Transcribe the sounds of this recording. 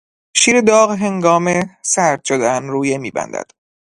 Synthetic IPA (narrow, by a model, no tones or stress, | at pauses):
ʃiːɾed̪ɒːɣɦe̞ŋɡɒːmesæɾd̪̥̚ʃod̪eænɾuːjemiːbæ̰nd̪æ̰d̪̥